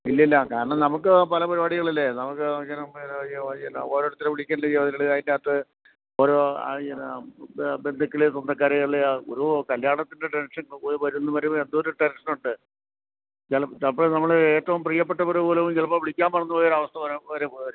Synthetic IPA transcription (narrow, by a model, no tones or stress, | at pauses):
ilːɐilːɐkaːɾɐɳɐmnɐmuk̬ːɨpɐlɐpɐɾubaːɽiɣɐɭilːenɐmukːɨɐkːɐnɐm | noːɾoːɽɐt̪ːileʋiɭikʲːɐaːnleeʋɐðiɾɐɭeɐðindeɐt̪ːɨ | oːɾo̰ːn | be̞nd̪ʱɐkʲːiɭesund̪ɐkːaːɾeɭeo̰ɾukɐljaːɳɐt̪ːinde̞ʈenʂɐnoʋɐɾunːɐmɐɾumend̪uoɾuʈenʂɐnuɳɖɨ | t͡ɕelt͡ɕelpːoːnɐmːɐɭeːtːɐʋumpriːjɐpːeʈːɐpɐɾupoːlɐʋumt͡ɕelɐpoːʋiɭikʲːaːmpɐrɐnːɐpoːjoɾɐʋɐst̪ʰɐʋɐɾʋɐɾeɾ